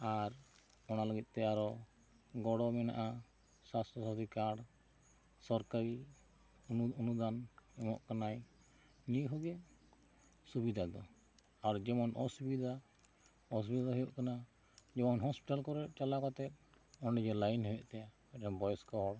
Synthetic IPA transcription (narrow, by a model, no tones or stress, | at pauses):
aɾ | ɔnalaɡit̪̚ˀt̪ɛjaɾɔ | ɡɔɽɔmɛna̰ʔa | sast̪ɾɔsad̪ʱikaɽ | sɔɾkaɾi | ɔnud̪anɛmɔʔkanaj | niɦɔɡɛ | subid̪ʱad̪ɔ | aɾd͡ʒɛmɔnʔɔsubid̪ʱa | ɔs̬ubid̪ad̪ɔɦɔjɔʔkana | d͡ʒɛmɔnɦɔspiʈalkɔɾɛʔ̚t͡ʃalakɔt̪ɛt̪̚ | ɔnɖɛd͡ʒɛlajnɦɔjɔʔt̪ɛja | ɛʈɛnbɔjɔskɔɦɔɽ